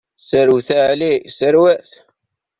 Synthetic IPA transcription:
səɾwθaʕlisəɾwæθ

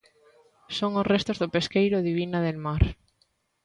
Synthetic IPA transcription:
soŋosrest̪ozðopeskejɾoðiβ̞inaðelmaɾ

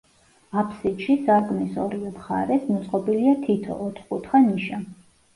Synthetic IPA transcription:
apʰsit̪ʃisaɾkʼmisɔɾiɛmχa̰ɾɛsmɔt̪sʼqʼɔbiliat̪ʰit̪ʰɔ̰ʔːt̪ʰχkʼut̪ʰχaniʃa

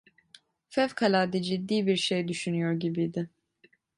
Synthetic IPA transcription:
fɛvkʰalʲaːd̪id͡ʒid̪ːiːbiɾʃejd̪yʃynyjoɾɟibijd̪ɪ

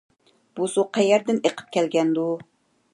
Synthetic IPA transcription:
b̥usuqʰæjɛɾd̪ɪneqʰə̥p̚kʲɛlɡʲɛnd̪u

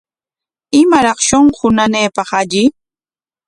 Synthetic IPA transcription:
ɪmaɾɑχʃoɴχʊnaneːpɑχaʎɪ

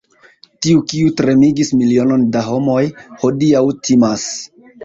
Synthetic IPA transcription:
tiukiutɾe̞miɡismilio̞no̞ndaɦo̞mo̞jho̞diawtʰimas

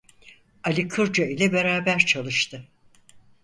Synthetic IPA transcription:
alʲikʰɯɾd͡ʒailʲɛbeɾaːbæɾt͡ʃʰalˠɯʃt̪ʰɯ

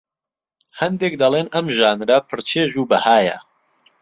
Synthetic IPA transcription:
hɐnd̪eːk̚d̪ɐleːnɐmʒaːnɾɐpʰɨɾt͡ʃʰeːʒuːbɐhaːjɐ̰

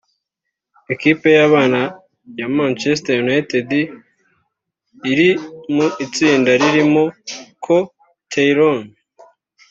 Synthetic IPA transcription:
e̞kipe̞jaβaːna | jamant͡ʃestajunaitedi | iɾimuit͡siːndaɾiɾimokʰo | tʰejɾon

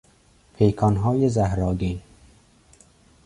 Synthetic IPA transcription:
pʰejkʰɒːnɦɒːjezahɾɒːɡe

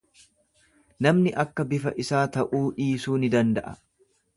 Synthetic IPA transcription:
nɐmnɪʔɐkːɐbɪfɐ̰ʔɪsaːt̪ɐʔuːᶑiːsuːnɪd̪ɐnd̪ɐʔɐ̥

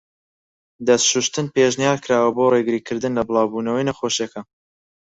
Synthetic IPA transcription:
d̪ɐst̪ʃuʃt̪ɨnpeʒnijaːɾkʰɾaːwɐboreɡɨɾiːkʰɨɾd̪ɨnlɐbɨlˠɑːwbuːnɐwɐjnɐχoʃekʰɐ

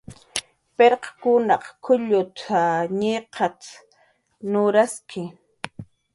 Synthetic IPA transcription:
peɾqɑ̥kʊnɑqkʰʊʎʊt̪ʰaɲeqʰɑt͡s̪ | nʊɾaskɪ

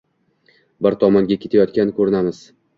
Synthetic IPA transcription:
bɪɾt̪ʰɒmɒŋɡʲakʲe̞t̪ʰajɒt̪̚kʲankʰɵɾɪnamɪz̥

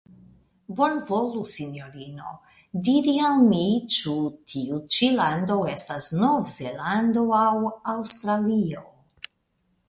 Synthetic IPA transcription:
bonvolusinjo̞ɾino̞̰ | diɾialmit͡ʃutʰiut͡ʃilando̞e̞stasno̞vze̞lando̞awawst̪ɾalio

